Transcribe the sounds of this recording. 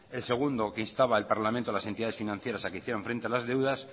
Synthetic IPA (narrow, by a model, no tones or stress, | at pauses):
e̞lse̞ɣ̞und̪o̞keinst̪aβaelpaɾlamẽnt̪oalasent̪iðaðe̞sfinãnθje̞ɾasakeiθjeoɱfɾe̞nt̪ealazðe̞wðas